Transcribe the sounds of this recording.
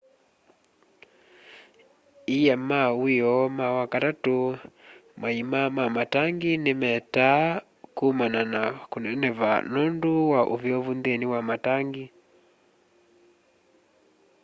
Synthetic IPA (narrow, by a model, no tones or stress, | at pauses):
ijamawijɔmawakaɾatu | maimamamataŋɡinimɛta | kumananakunɛnɛva̰nɔnduwaʔuvjɔvundiɛniwamataŋɡi